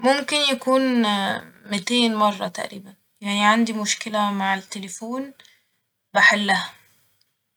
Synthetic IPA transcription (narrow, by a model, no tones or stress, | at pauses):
momkɪnjækuːn | mɪt̪eːnmɑrˤːɑt̪a̰ʔɾiːbæn | jaʕniʕand̪imʊʃkɪlæmaʕet̪ːelefuːn | baħelːæhæ